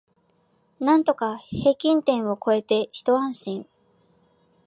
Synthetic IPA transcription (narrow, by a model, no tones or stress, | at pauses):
nãnt̪o̞kahe̞ːkʲĩnt̪ẽ̞ɰ̃o̞ko̞e̞t̪e̞çi̥t̪o̞ãɰ̃ɕĩɰ